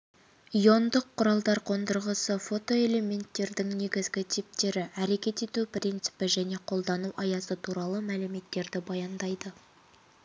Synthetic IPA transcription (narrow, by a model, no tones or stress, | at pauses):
ijo̞nd̪əqʰːʊɾɑlˠd̪ɑɾqʰo̞nd̪əɾʁəsəfo̞t̪o̞e̞le̞me̞nt̪ːe̞ɾd̪ɪŋne̞ɡʲɪzɡʲɪt̪ʰijp̚t̪e̞ɾɪʔæɾe̞kʲe̞t̪e̞t̪uprʲint̪sɨ̥pɪʒæne̞qʰo̞lˠd̪ɑnuʔɑjɑsət̪ʰuɾɑlˠəmælɪme̞t̪ːe̞ɾd̪ɪbɑjɑnd̪ɑjd̪ə